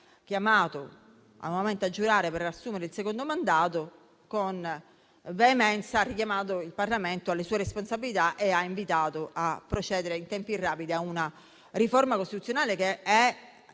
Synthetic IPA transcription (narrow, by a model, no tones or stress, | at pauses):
k̟jamaːt̪o | a̰nɔvament̪ead͡ʒːuɾaːɾepeɾasːuːmeɾeilsekond̪omand̪aːt̪o | kon | veːmɛnsarːikjamaːt̪̬oilparlament̪oalːesuːeɾesponsabːilit̪aʔeaiɱvit̪aːt̪oʔapːɾot͡ʃɛːd̪eɾeint̪ɛmpirːaːpid̪iauna | ɾifoɾmakost̪it̪ut̪sjonaːlekeɛ